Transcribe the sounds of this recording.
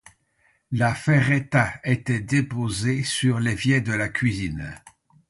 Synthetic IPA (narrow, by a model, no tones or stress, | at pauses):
lafɛʁet̪aet̪ɛd̪epozesyʁlevjɛd̪əlakʲɥizin